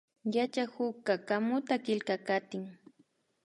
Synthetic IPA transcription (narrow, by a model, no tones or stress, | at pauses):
jat͡ʃahʊkːakamʊt̪akɪlkakat̪ɪŋ